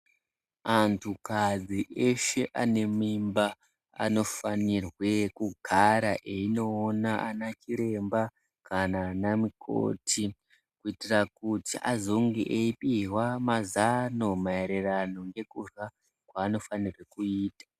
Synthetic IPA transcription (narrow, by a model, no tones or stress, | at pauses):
antʰukad͡ziʔe̞ʃe̞ʔane̞mimba | a̰no̞fanirwe̞kuɡʱaɾaʔe̞ino̞ːnaʔa̰nat͡ʃiɾe̞mba | kanaːnamikʰo̰ːtʰi | kuitirakutiʔazoŋɡiʔeipiwamazano̞mae̞ɾerano̞ŋɡe̞kurwa | kwaːno̞fanirwe̞kuiːtḁ